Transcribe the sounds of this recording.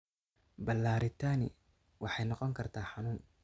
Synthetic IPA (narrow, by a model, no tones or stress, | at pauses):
bɐlːaːɾɪt̪ʰaːnɪ̰ | wɑħɑjnɔqɔŋkʰɐrt̪ʰaːħɑnuːn